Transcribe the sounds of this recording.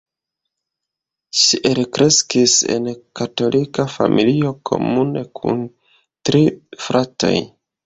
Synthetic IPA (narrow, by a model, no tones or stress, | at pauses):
ʃiʔelkɾe̞skise̞̰nkato̞lʔikafa̰mʔilio̞kʰo̞̰mune̞kʰṵn | tɾifɾato̞̰j